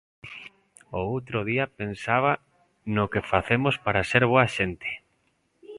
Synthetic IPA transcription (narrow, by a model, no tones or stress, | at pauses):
oowt̪ɾoð̞iapensaβa | nokefaθemospaɾaseɾβ̞oaʃent̪e̥